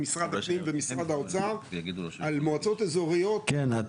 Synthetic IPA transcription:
misʁad̪hapnimvemisʁad̪haot͡saʁɡd̪almoat͡so̞t̪ezo̞ʁijo̞t̪kena

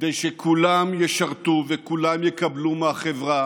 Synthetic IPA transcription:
d̪ejʃekʰulamjeʃaʁt̪uvekulamjekablumeaχevʁa

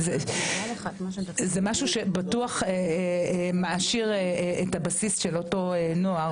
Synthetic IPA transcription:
zealχat̪maʃzemaʃuʃebatuaχe | maaʃiʁeethabasisʃeloto̞enoa

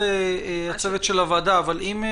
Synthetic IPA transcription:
e | at͡sevet̪ʃe̞lavad̪aːvalim

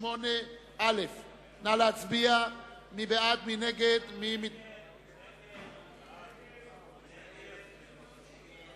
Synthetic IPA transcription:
mone | alef | nalat͡sbia | mibeat̪̚mineɡed̪mim

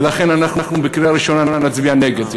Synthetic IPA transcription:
laχenanaχnaχnubekɾiaɾiʃonananat͡sbianeɡed̪

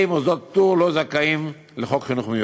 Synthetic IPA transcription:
imozot̪̚tuʁlozakaim | leχo̞kχinuχmeju

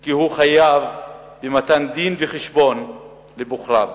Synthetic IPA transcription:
kihuχajav | bemat̪and̪inveχeʃbo̞n | lebuχʁav

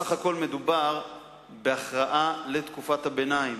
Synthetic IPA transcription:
aχako̞lme̞dubaʁ | beaχʁaʔalet̪kufathabe̞naim

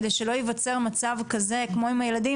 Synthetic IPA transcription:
d̪ejʃelo̞jivat͡se̞ʁmat͡savkaze̞kmo̞imajelad̪i

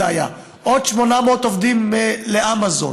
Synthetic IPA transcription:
aja̰ | ʔod̪ʃmo̞nameot̪ovd̪imːeleʔamazo̰

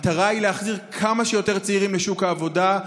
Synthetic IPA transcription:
t̪aʁaileaχziʁkʰamaʃejo̞te̞ʁt͡seiʁimleʃukaːvo̞da

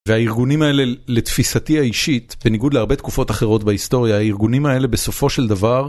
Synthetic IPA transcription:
veaiʁɡunimae̞lele̞t̪fisatiaiʃit̪be̞niɡud̪leaʁbe̞t̪kufo̞taχe̞ʁo̞tbaisto̞ʁjahaiʁɡunimae̞le̞be̞so̞fo̞ʃeld̪avaʁ

